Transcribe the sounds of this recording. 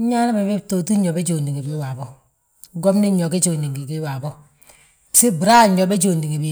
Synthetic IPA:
ɲa˦na˦be˨be˦to˨tu˦ɲo˨be˦d͡ʒo˨ndi˨ŋe˨bi˦wa˨bo˦ | ɡo˦mni˦ɲo˨ke˦t͡ʃo˨ndi˨ŋɡi˨ki˦wa˨bo˦˨ | se˦bu˨ɾa˦˨ɲo˨be˦d͡ʒo˨ndi˨ŋe˨bi˨˦

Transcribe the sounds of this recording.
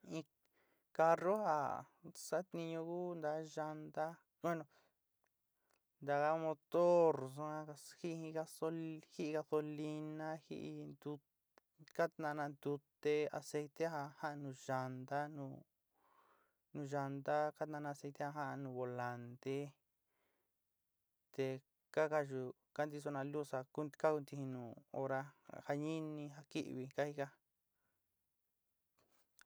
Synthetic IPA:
ĩ˧ | ka˧ro˦ha̰˧˨ | sa˦t̪nĩ˧ɲõ˧ɡu˦nd̪a˧˦ʒa˧nd̪a˦ | kʷe˦nõ˧ | nd̪a˧ɣa˦mo˧t̪o˦ɾs̬o˧a˧hi˦˧hĩ˧ɡa˧so˧hi˦˧ɡa˧so˧li˧nã˦hḭ˦ʔd̪u˧ | ka˦t̪nã˧nã˧nd̪u˧t̪e˧a̰˧se˧jt̪e˦ha˧ha˦ʔnũ˧ʒa˧nd̪a˦nũ˧ | nũ˧ʒa˧nd̪a˦ka˦t̪nã˧nã˧se˧jt̪e˦ha˧ɦã˦ʔnũ˨˧βo˨la˨˧nt̪e˦ | t̪e˧ | ka˦ka˦ʒu˧ | ka˦nd̪i˧s̬o˧nã˧lu˦sa˧ku˦ka˦ku˧nt̪i˧ĩ˧nũ˨o̰˧ɾa˧˨ha˧ɲĩ˦nĩ˧ɦa˧ki˦ʔβi˧ka˦hi˧ka˦

